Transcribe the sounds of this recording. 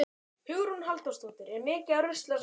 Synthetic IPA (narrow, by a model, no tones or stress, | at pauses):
hʏɣɾunɦalt̪ɔst̪uːt̪ɪɾɛɾmɪːcɪarʏst̪lɛs